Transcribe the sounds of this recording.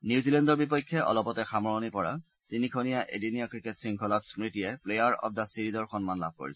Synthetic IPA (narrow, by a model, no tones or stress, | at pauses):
nizilɛndɔɹbipɔjkʰːɛʔɔ̰lɔpɔtɛxamɔɹɔnipɔɹa̰ | tinikʰɔnijaʔḛdinijakɹiketsiŋkʰɔlɔtspɹitijɛplejaɹɔ̰p̚dasiɹizɔɹxɔnmanla̰b̚ʱko̰ɹḭsɛ